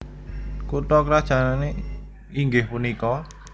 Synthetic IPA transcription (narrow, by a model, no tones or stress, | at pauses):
kuʈ̪ɔkɾad̥ʒ̥a̤nane | iŋɡɪhpunikɔ